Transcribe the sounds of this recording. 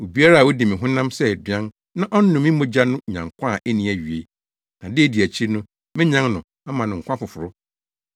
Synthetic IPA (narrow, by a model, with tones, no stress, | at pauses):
o˨bi˦a˦ɾa˦˨wo˦dɪ˨mɪ̃˨ɦʊ̃˦nã˦msɛ˦˨dɪ˨ã˦n | nã˦ʔɔ˦n̩˦nːʊ̃˨mĩ˦mõ˦d͡ʑa˦nʊ̃˦ɲã˨ŋkʷʰã˦˨ʔe˦nĩ˨˦æ˨ɥɥe˨ | nã˨dɪ˦e˦˨di˨æ˨t͡ɕʰi˦nʊ̃˦ | mɪ̃˦ɲã˦ŋnʊ̃˨ | a˦mã˨nʊ̃˨ŋ̩˨kʷã˦fʊ˨fʊ˨ɾʊ˦